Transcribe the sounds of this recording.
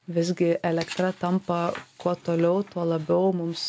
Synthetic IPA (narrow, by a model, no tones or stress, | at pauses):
ʋʲɪzʲɡʲɪʔɛlʲɛkt̪ɾɐt̪ɐmpɐkuɔt̪oːlʲɛʊt̪uɔlˠɐbʲɛʊmʊms